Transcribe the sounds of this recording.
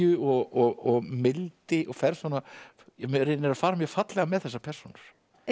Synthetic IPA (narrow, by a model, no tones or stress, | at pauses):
ʏɔɣɔɣɔɣmɪlt̪ɪʔɔɣfɛɾ̥svanːa | ɛmɾɪnɪɾafaːɾamjɛɣfat̪lɛɣamɛðθɛsːapʰɛr̥sunaɾ̥